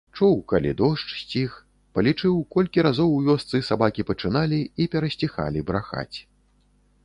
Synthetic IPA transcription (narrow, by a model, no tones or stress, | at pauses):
t͡ʂuwkalʲḭd̪ɔʂt͡ʂsʲt͡sʲix | pɐlʲit͡ʂɨwkɔlʲkʲiɾazɔwjʲɔst̪sɨsabakʲipɐt͡ʂɨnalʲiipʲɛɾɐsʲt͡sʲixa̰lʲibɾaxa̰t͡sʲ